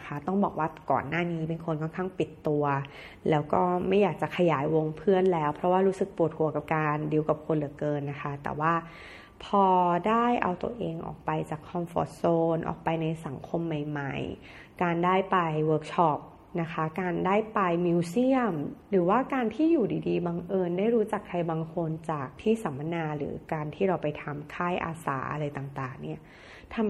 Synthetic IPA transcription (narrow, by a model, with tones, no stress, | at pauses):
kʰa˦˥t̪ɔ˥˩ŋbɔː˨˩k̚waː˥˩kɔ̰ː˨˩nːaː˥˩niː˦˥pe˧nkʰo˧nkʰɔː˥˩nkʰa˥˩ŋpi˨˩t̪ːu˧ɐ | lɛː˦˥wkɔː˥˩ma˥˩jːaː˨˩k̚t͡ɕa˨˩kʰa˧jaː˩˦jwo˧ŋpʰɯ˥˩ənlɛː˦˥wpʰɾɔ˦˥waː˥˩ɾuː˦˥sɯ˨˩k̚pu˨˩ət̪̚kʰu˧˩ɐka˨˩p̚kaː˧ndi˧əwka˨˩p̚kʰo˧nlɯ˨˩˦kɤː˧nːa˦˥kʰa˦˥t̪ɛ̰ː˨˩waː˥˩ | pʰɔː˧daː˥˩jʔa̰˧wt̪ṵ˧ɐʔeː˧ŋʔɔ̰ː˨˩k̚pa˧jt͡ɕaː˨˩kʰːɔ˧mfɔ̰ː˧˥t̪̚soː˧nʔɔ̰ː˨˩k̚pa˧jna˧jsa˩˦ŋkʰo˧mːa˨˩jma̰˨˩j | kaː˧ndaː˥˩jpa˧jwɤː˦˥k̚t͡ɕʰɔ˦˥˩p̚ | na˦˥kʰa˦˥kaː˧ndaː˥˩jpa˧jmi˧wsi˥˩əmɾɯː˩˦waː˥˩kaː˧nt̪ʰiː˥˩juː˨˩diː˧diː˧baː˧ŋʔɤː˧ndaː˥˩jɾuː˦˥t͡ɕa˨˩kʰːɾa˧jbaː˧ŋkʰo˧nt͡ɕaː˨˩k̚t̪ʰiː˥˩sa˩˦mːa˧naː˧ɾɯ̰ː˩˦kaː˧nt̪ʰiː˥˩ɾa˧wpa˧jt̪ʰa˧mkʰaː˥˩jʔa̰ː˧sa̰ː˩˦ʔa̰˧ɾa˧jt̪aː˨˩ŋt̪aː˨˩ŋni˥˩ɐ | t̪ʰa˧m